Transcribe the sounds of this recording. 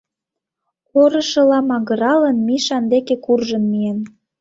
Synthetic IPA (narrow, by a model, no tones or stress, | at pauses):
oɾɤ̆ʃɤ̆lɑmɑɣə̆ɾɑlə̆nmiʃɑnd̪ekekurʒənmien